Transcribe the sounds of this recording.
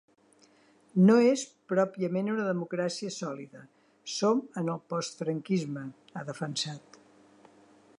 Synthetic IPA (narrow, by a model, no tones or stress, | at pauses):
noespɾɔpiəmenunəðəmukɾasiəsɔliðə | somənəlˠpɔst̪fɾəŋkizmə | əðəfənsat̪